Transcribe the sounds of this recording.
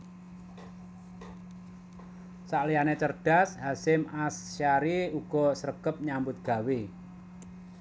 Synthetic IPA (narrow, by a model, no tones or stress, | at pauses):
saʔlijanet͡ʃərɖ̥a̤sɦasɪmasʃaɾiuɡ̥ɔ̤səɾəɡ̥əp̚ɲambʊt̪̚ɡ̥a̤wi